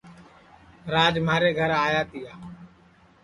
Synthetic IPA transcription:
ɾaːd͡ʒmaːɾeːɡʱəɾaːjaːt̪ɪjaː

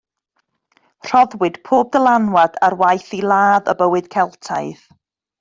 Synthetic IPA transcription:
r̥ɔðwɨd̥pʰoːb̚dəlˠanwadarwajθilˠaːðə̰bəwɨd̥kʰɛlˠtʰaɨð

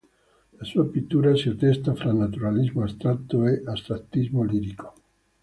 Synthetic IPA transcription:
lasuapit̪ːuːɾasiat̪ɛst̪afɾalnat̪uɾalizmoast̪ɾat̪ːoeʔast̪ɾat̪ːizmoliːɾiko̥

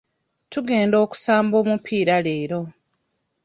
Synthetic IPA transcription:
tuɡe̞ːndo̞ːku̥saːmbo̞ːmupʰiːɾale̞ːɾo̞

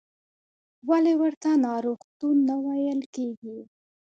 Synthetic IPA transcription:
walewəɾt̪anɑɾoxt̪unːawajəlkeɡi

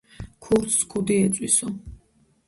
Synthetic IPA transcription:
kʰuɾt̪ʰskʰud̪iɛt̪sʼwisɔ

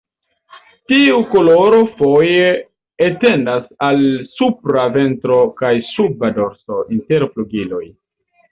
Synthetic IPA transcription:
tiukolo̞ɾo̞fo̞jeː | te̞ndasalsupɾave̞ntɾo̞kajsubado̞ɾso̞ʔinte̞ɾfluɡilo̞j

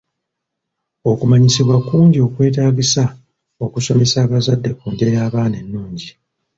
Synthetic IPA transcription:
o̞kumaɲisiβwakuːɲɟio̞kwe̞ːt̬aːɟisa | o̞kuso̞me̞saːβazadːe̞kuːnde̞jaːβaːnenːuːɲɟi

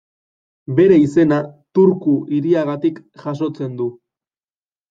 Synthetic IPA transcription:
be̞ɾe̞ise̞nat̪uɾkuiɾiaɣat̪ikʝ̥as̬o̞t͡se̞nd̪u

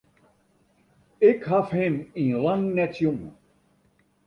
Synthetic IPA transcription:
ɪkɦafɦɪminlaŋnɛtjoŋ

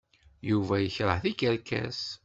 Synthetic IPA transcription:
juvæjəçɾˤəʕθikəɾkæ̰s

